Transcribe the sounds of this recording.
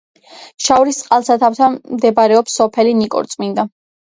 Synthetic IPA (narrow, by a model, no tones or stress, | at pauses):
ʃawɾist̪sʼqʼalˠsat̪ʰaft̪ʰanmd̪ɛbaɾɛɔpsɔpʰɛlinikʼɔ̰ɾt̪sʼmind̪a